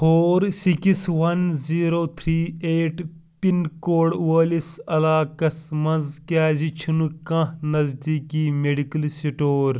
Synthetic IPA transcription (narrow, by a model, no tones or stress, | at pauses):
hoːɾsikisʋɐnziːɾoːt̪ʰɾiːeːʈ | pinkoːɽʋɐːlisɐlaːkɐsmɐnzkaːzit͡ʃʰinukɐ̃hnɐzd̪iːkiːmeɖikɐlsiʈoːɾ